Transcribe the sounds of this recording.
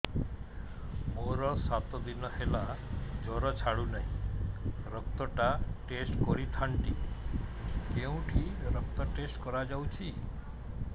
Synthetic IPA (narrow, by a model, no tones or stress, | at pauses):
moɾɔɾsat̪ɔd̪inɔhelad͡ʒɔɾɔt͡ʃʰaɽunaɦĩ | ɾɔk̚t̪ɔʈaʈesʈkɔɾit̪ʰaɳʈi | keũʈʰiɾɔk̚t̪ɔʈesʈkɔɾad͡ʒawt͡ʃʰi